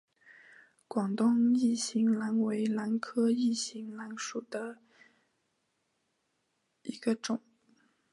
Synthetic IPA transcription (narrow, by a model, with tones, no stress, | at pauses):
kwɑ˨˩ŋt̪ʊ˥˧ŋi˥˩ɕi˧˥ŋla˧˥nwe˧˥ɪla˧˥nkʰɤ˥i˥˩ɕi˧˥ŋla˧˥nʂu˨˩d̪ə˦ | i˧˥ɡə˧ʈ͡ʂʊ˨˩˦ŋ